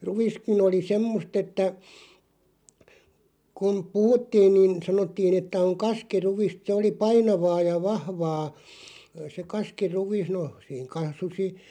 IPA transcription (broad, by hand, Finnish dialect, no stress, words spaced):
ruʋ̆iskin oli semːost etːæ kun puhutːiːn niːn sɑnotːiːn etːæ oŋ kɑskiruʋ̆ist se oli pɑinɑʋɑː jɑ ʋɑhʋɑː se kɑskiruʋ̆is no siːŋ kɑsusi